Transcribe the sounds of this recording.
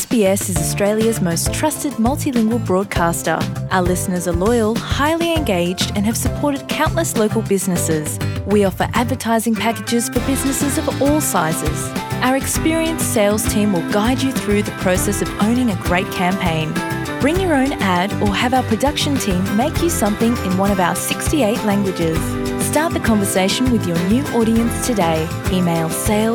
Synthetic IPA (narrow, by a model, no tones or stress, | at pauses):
sb̥iɛsɨzəstɹ̥eɪlˠjɨzməʊstʰɹ̥ʌstɨd̚mʌlˠtilɪ̃ŋɡwəl̩ˠbɹɔd̚kʰɑstə̰˞ʔaʊə˞lɪsnə˞zəlɔɪəl̩ˠhaɪlˠiɨ̃nɡeɪd͡ʒdɨ̃nɨv̥səpʰɔɹɾɨd̚kʰãʊ̃nʔləsloʊkl̩ˠbɪznɨsɪz̥wiɔfə̰˞ʔædvə˞tʰaɪzɪ̃ŋpʰækɨd͡ʒɪz̥fə˞bɪznɨsɨzʌvɔlˠsaɪzɪ̰z̥ʔaʊə˞ɨkspɪɹiɨ̃nseɪlˠz̥tʰĩmwɪlˠɡaɪd͡ʒɨθɹʉðɨpʰɹ̥oʊsɛsʌvõʊ̃ñɪ̃ŋɨɡɹeɪt̚kʰæ̃mpʰẽɪ̃n | b̥ɹɪ̃ŋjə˞õʊ̃næɾə˞ɨvaʊə˞pʰɹ̥ɨdʌkʃɨ̃ntʰĩmːeɪkʰjɨsʌ̃mθɪ̃ŋɪ̃nwʌ̃ɾ̃ʌvaʊə˞sɪkstieɪʔˡlæ̃ŋɡwɨd͡ʒɪz̥ | stɑɹt̪̚ðɨkʰɑ̃ɱvə˞seɪʃn̩wɨðjə˞njʉʔɔɾiɨ̃nstʰɨdeɪ | imeɪlˠseɪlˠ